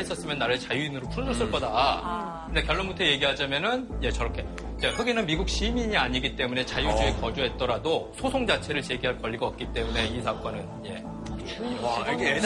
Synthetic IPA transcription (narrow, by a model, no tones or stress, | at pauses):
es͈ʌs͈ɯmjʌnːaɾɯɭt͡ɕajuinɯɾopʰud͡ʑos͈ɯɭk͈ʌda | kɯndekjʌɭːombutʰeje̞ɡiɦad͡ʑamjʌnɯnje̞t͡ɕʌɾʌkʰe̞ | jekɯɡinɯnmiɡuk̚ɕ͈imiɲiaɲiɡit͈e̞mune̞t͡ɕajud͡ʑuekʌd͡ʑuɦe̞t̚t͈ʌɾadosʰosʰoŋd͡ʑat͡ɕʰe̞ɾɯɭt͡ɕe̞ɡiɦaɭkʌʎːiɡaʌp̚k͈it͈e̞mune̞isʰak͈ʌnɯnje̞̰ | aɡ